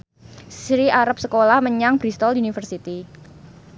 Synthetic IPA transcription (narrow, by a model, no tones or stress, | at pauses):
ssɾiaɾap̚səkolahməɲaŋb̥ɾist̪ɔlunifərsit̪i